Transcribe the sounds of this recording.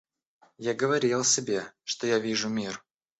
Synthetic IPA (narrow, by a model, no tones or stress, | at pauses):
jaɡəvɐɾʲilˠsʲɪbʲeʂt̪ojavʲiʐʊmʲir